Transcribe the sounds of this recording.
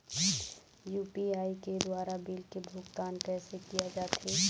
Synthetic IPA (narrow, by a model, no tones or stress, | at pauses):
juːpiaːiked̪waːɾabilkebʱʊɡt̪aːnkɛːsekijad͡ʒaːt̪ɦe